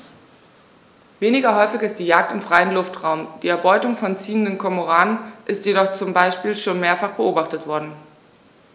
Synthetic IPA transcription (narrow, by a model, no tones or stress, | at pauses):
veːnɪɡɐɦɔʏfɪçɪstd̥iːjaːk̚tɪmfʁ̥aɪənlʊftʁ̥aʊmd̥iːɛɐbɔʏtʊŋfɔnt͡siːəndənkʰɔmoʁaːnənʔɪstjedɔχt͡sʊmbaɪʃpiːlʃoːnmeːɐfaχb̥əʔoːbaχtətv̥ɔɐdn̩